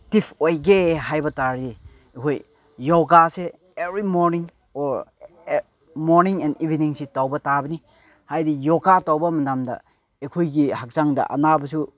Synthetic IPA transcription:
tipʰojɡeɦajbɐtaɾdi | ekʰojː | oɡase | ebɾimoɾniŋ | oɾ | moɾniŋenibʱiniŋsetawbɐtabɐni | hajdijoɡatawbɐmɐdamdɐ̰ | ekʰojɡihak̚zaŋdɐ̰ʔɐ̰nabɐsu

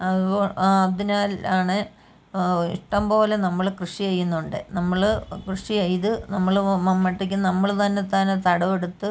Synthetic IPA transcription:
ɐðuoːad̪inaːlaːɳɨ | ḭʂʈɐmpo̞ːle̞nɐmːɐɭkrɨʂiɐjːunːuɳɖɨ̰nɐmːɐɭkrɨʂiɐjt̪ɨnɐmːɐɭmɐmːɐʈːikʲːɨnɐmːɐɭt̪ɐnːe̞t̪ɐnːet̪ɐɽɐʋeɽut̪ːɨ

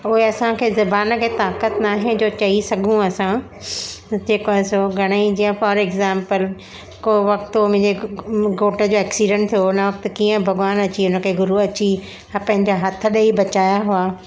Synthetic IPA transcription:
ʊɦeɐsãkʰeːzɐbaːnəkʰeːt̪aːkət̪naːɦẽd͡ʑoːt͡ɕɐisɐɡʱũɐsã | d͡ʑeːkaːsoɡʱɐɽ̃əid͡ʑiːə̃fɔːɾɛɡzãːmpəl | koːʋɐk̚t̪omʊ̃ɦɪ̃ɲd͡ʑeɡoːʈəd͡ʑoːɛːksiːɖə̃ɳʈt̪ʰijoʊnəʋɐk̚t̪kiːə̃bʱɐɡaːnɐt͡ɕiʊnə̆kʰeɡʊɾuɐt͡ɕi | ɐpɐ̃ɦɪ̃ɲd͡ʑaɦɐt̪ʰə̆ɗɐibɐt͡ɕaːjaɦʊaː

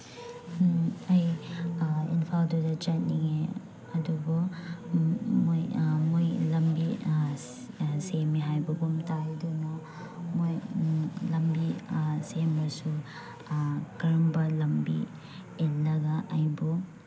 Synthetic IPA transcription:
ɐj | ḭnpʰaldudɐt͡ʃat̚niŋe | ɐdubɔ | mojmojlɐmbi | semiɦajbɔbumtajdunɔ | mojlɐmbisemojsu | kɾɔmbalɐmbi | elɐɡaʔːjbɔ

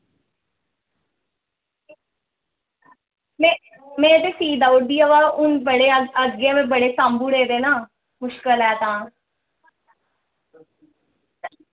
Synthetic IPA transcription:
mɛ̃ː | mɛ̃ːt̪eːsiːd̪aːʊʈ̚d̪iːəʋaːʊnbəɽeːəd͡ʒɡãːmɛ̃ːbəɽeːsaːmbuːɽeːd̪eːnaː | mʊʃkəlɛːt̪ãː

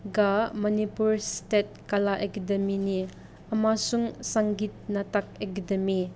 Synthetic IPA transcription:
ɡamɔnipuɾstet̚kalaʔekɐdɐmini | ɐmasuŋsaŋɡit̚natɐk̚ekɐdemi

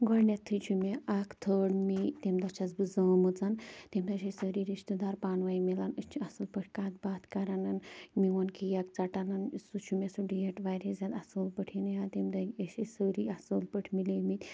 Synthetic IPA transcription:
ɡɔɽnʲjat̪ʰːɾit͡ʃʰumeʔakt̪ʰəɳmit̪emd̪at͡ʃat͡sbɨd͡zəmud͡zant̪emd̪aɕesəɾiɾiʃt̪əd̪aɾpanʋaimilant͡ʃʰasulpəʈʰʲkat̪̚bat̪kaɾananmiʋɔnkijak̚t͡saʈanansut͡ʃʰumʲesuɖijeʈʋajɾed͡zat̪asəlpəʈʰinjat̪emd̪aəɕesəɾiasəlpəʈʰmilemit̪ʲ

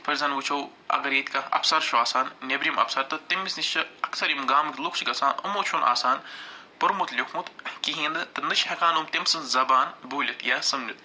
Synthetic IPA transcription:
pʰɐɾzɐnʋɨt͡ʃʰow | ɐ̰ɡɐɾjet̪ʲkɐɐ̰psɐɾʃʰuaːsaːnnʲebɾimɐ̰psɐɾt̪ɨt̪emːisnit͡ʃʰɐɐksɐɾimɡaːmɨkʲlukt͡ʃʰiɡɐsaːnɨ̰moːt͡ʃʰunʔa̰ːsaːnpɐɾmut̪lʲokʰmut̪kiɦĩːnd̪ɨt̪ɨnɨt͡ʃʰhɐkaːnumt̪emsɨnzɐbaːnbuːlʲɐt̪jaːsɐmnʲɐt̪

